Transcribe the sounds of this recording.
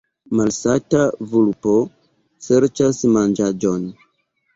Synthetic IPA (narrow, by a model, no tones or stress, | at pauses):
malsatavulpo̞ | se̞ɾt͡ʃasmand͡ʒad͡ʒon